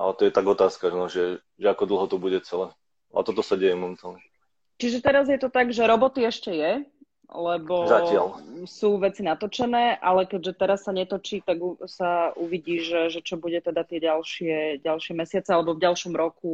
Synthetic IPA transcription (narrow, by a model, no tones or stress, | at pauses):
ʔalɛt̪ɔjɛt̪aɡɔt̪aːskanɔʒɛ | ʒɛakɔd̪l̩ˠɦɔt̪ɔbuɟɛt͡sɛlɛ | a̰t̪ɔt̪ɔsaɟɛjɛvmɔmɛnt̪alɲɛ | t͡ʃiʒɛt̪ɛɾazjɛt̪ɔt̪aɡʒɛɾɔbɔt̪iɛʃcɛjɛ | lɛbɔzacɪalsuːʋɛt͡sinat̪ɔt͡ʃɛnɛːʔalɛkɛɟʒɛt̪ɛɾasːaɲɛt̪ɔt͡ʃiːt̪aɡusauʋiɟiːʒɛʒɛt͡ʃɔbuɟɛt̪ɛd̪at̪ɪɛɟalʃɪɛɟalʃɪɛmɛsɪat͡sɛalɛbɔvɟalʃɔmɾɔku